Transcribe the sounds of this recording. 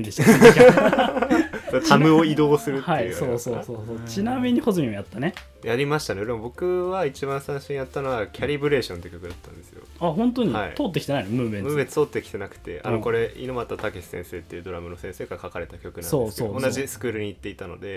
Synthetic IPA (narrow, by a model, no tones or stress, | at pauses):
nd̪e̥ | d̪t̪ʰamɯ̟oid̪oːsɨɾɯhaioːsoːsoːsoːt͡ɕinamʲiɲ̟ihozɨmʲɲʲimojat̪ːane | jaɾʲimaɕi̥t̪aneoɾemobo̞kɯ̟βait͡ɕibãɰ̃sãɰ̃ɕĩjat̪ːano̞βakʲʰaɾʲibɯ̟ɾe̞ːɕont̪ekʲo̞kɯ̟d̪at̪ːãne̞sɨjo̰ahõ̞nt̪oɲ̟iaḭt̪oːt̪ːeki̥t̪eajnomɯ̟̃mẽmɯ̃bẽt͡st̪oːt̪ːekʲi̥t̪e̞nakɯ̟̥t̪e̞̰ʔa̰noko̞ɾe̞ḭno̞mat̪ːat̪akʲeɕi̥sẽ̞̰ɰ̃se̞ːt̪ːe̞iɯ̟d̪o̞ɾamɯno̞sẽ̞ɰ̃seːɡakakaɾe̞t̪akʲo̞kɯnãnsodeskeoonːaʑisɨ̥kɯ̟ːɾɯ̟ɲ̟iːt̪ːe̞it̪ano̞̰d̪e̞